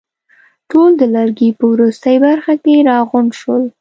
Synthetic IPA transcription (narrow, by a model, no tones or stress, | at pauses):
ʈold̪əlaɾɡipəwɾust̪əjbaɾxakeɾɑɣʊnʃwəl